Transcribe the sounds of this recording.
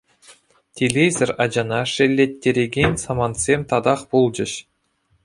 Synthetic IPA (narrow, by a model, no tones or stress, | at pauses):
tʲʰelʲezʲɘ̆rʲɑd͡ʑɑnɑʂelʲːet̪ʲːeɾʲeɡʲenʲsɑmɑnt̪sʲemʲt̪ɑd̪ɑχpulˠd͡ʑɘ̆ɕ